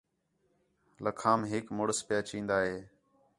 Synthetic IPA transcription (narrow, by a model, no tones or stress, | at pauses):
ləkʰaːmɦɪkmʊɽəspjaːt͡ʃĩːnd̪aːɦeː